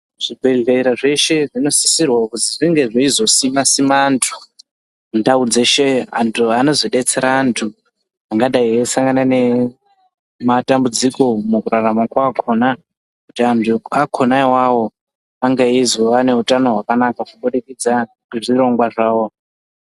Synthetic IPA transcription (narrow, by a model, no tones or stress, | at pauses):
ʐ̥ibʱeɮeiɾaʐe̞ʃe̞ʐino̞si̥sirwakuziʐiŋɡe̞ʐeizo̞simasimantʰu̥ | ndaud͡zeʃea̰ntʰuano̞zoɗe̞t͡se̞ɾaːntʰu | aŋɡaɗaiesaŋɡanane̞ | matambud͡ziko̞mukuraramakwakʰo̞na | kutiantʰuakʰo̞naiwawo̞ | aŋɡaizoʋane̞utano̞ɦwakanakakuɓuɗikid͡za | ʐiɾo̞ŋɡwaʐaːwo̞